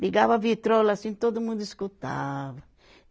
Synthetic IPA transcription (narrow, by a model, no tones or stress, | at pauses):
liɡavavit̪ɾolasĩnt̪od̪umũnd̪uiskut̪a̰vɐ